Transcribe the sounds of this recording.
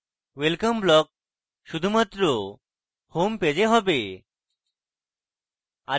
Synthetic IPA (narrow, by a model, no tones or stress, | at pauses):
ʋelkəmblɔk̚ | ɕud̪ʱumat̪ɾo | homped͡ʑeɦɔbe | a